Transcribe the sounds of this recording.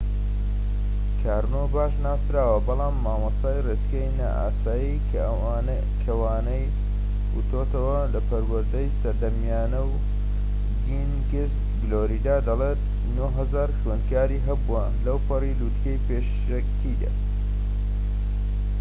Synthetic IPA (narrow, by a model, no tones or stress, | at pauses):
kʰaːɾnobaːʃnaːsɾaːwɐbɑlaːmːaːmɐst̪aːjreskɐjnɐ̰ʔa̰ːsaːji | kʰɐwaːnɐj | wut̪ʰoːt̪ʰɐwɐlɐpʰɐɾwɐɾd̪ɐjsɐɾd̪ɐmjaːnɐw | ɡinɡɪs | ɡloɾid̪aːd̪ɐlet̪ | noɦɐzaːɾxɥeːnkaːɾiːɦɐbuɐ | lɐwpʰɐrilud̪kɐjpeːʃ | ɐkt̪ʰid̪a̰